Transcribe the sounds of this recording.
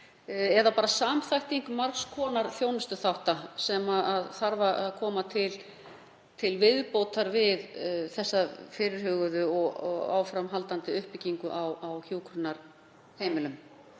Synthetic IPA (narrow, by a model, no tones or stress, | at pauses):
ɛðapaːɾasaːmθajht̪iŋkmaɾkskʰɔːnaɾ̥θjoːwnʏst̪ʏθawht̪asɛmaaðθaɾvaʔaðkʰɔːmat̪ʰɪl | t̪ʰɪlvɪðpowt̪aɾvɪðθɛsːafɪːɾɪɾ̥hʏːɣʏðʏɔɣɔ̰a̰ːwfɾamɦalt̪ant̪ɪʏhpɪciŋkʏʔawawçjuːkʰɾʏnaɾ̥ | heːjmɪlʏm